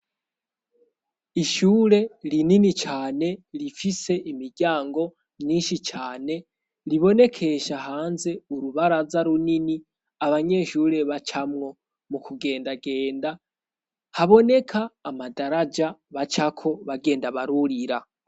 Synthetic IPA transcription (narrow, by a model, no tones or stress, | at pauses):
iʃuːɾe̞ɾininit͡ʃaːne̞ɾifise̞ʔimiɟaːŋɡo̞ | mɲiːʃit͡ʃaːne̞ | ɾiβo̞ne̞kʰe̞ʃaɦaːnze̞uɾuβaɾazaɾunini | aβaɲe̞ːʃuːɾe̞βat͡ʃamŋo̞ | mukʰuɡe̞ːndaɡe̞ːnda | haβo̞ne̞kʰaːmadaɾad͡ʒaβat͡ʃakʰo̞βaɡe̞ːndaβaɾuɾiɾa